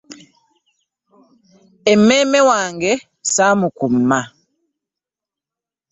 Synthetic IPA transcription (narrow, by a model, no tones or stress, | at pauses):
ɛmɛmɛwaŋɡɛ | samukumma